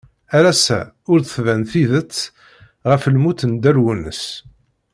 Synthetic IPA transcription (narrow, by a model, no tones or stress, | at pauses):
æɾæsæ̰ | ʊɾθəθvænθiðət͡sː | ʁəfəlmuθənd̪æɾwunə̰s